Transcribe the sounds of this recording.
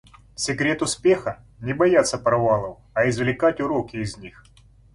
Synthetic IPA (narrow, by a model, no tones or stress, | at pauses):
sʲɪkɾʲe̞t̪ʊspʲe̞xə | nʲɪbɐjat̪sːəpɾɐvalˠəw | ɐɪzvlʲɪkatʲʊɾokʲɪːzʲnʲix